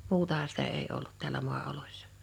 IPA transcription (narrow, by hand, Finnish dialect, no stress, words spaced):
muːtɑhɑ sitæ eˑi olːut tiælæ mu̞ɑolosʲsɑ̥